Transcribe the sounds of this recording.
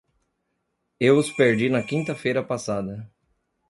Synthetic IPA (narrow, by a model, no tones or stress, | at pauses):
ewʊspeɾd͡ʒinɐkĩnt̪ɐfejɾɐpasad̪ɐ